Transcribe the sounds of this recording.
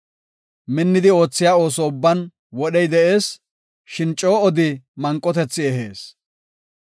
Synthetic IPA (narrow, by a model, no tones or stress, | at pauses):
mɪnːɪd̪ɪo̞ːt͡sːɪjaːo̞ːsɔʊbːɐn | wɔɗɛjd̪ɛʔe̞ːs | ʃɪnt͡ʃʼːo̞ːɔd̪ɪmɐŋkʼːɔt̪ɛt͡sːɪɛɦḛːs